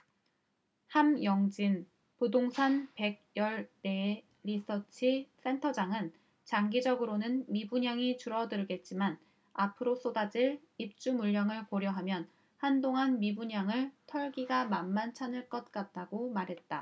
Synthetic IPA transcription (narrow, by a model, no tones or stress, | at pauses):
hamjʌŋd͡ʑin | podoŋsʰanpe̞ɡ̚jʌɭne | ɾisʰʌt͡ɕʰis͈ʰe̞ntʰʌd͡ʑaŋɯn | t͡ɕaŋɡid͡ʑʌɡɯɾonɯnmibuɲaŋit͡ɕuɾʌdɯɾɡe̞t̚t͡ɕ͈iman | apʰɯɾos͈odad͡ʑiɭ | ip̚t͡ɕ͈umuʎːʌŋɯɭkoɾjʌɦamjʌn | handoŋɦanmibuɲaŋɯɭtʰʌɭɡiɡamanmːant͡ɕʰanɯɭk͈ʌt̚k͈at̚t͈aɡomaɾɦe̞t̚t͈a